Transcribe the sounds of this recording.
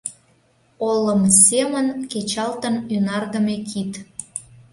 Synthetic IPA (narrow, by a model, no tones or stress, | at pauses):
oləmsemənket͡ɕɑlt̪ənynɑrɣəmekʰit̪